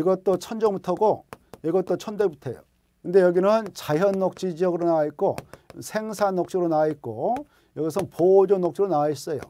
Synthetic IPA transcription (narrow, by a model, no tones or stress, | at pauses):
iɡʌt͈ot͡ɕʰʌnd͡ʑʌŋbutʰʌɡoiɡʌt͈ot͡ɕʰʌndebutʰe̞jo̰ | kɯnde̞jʌɡinɯnt͡ɕaɦjʌnːok̚t͡ɕ͈id͡ʑiʌɡɯɾonaait̚k͈osʰe̞ŋsʰanːok̚t͡ɕ͈iɯɾonaait̚k͈o | jʌɡisʰʌnpod͡ʑonːok̚t͡ɕ͈iɾonais͈ʌjo̰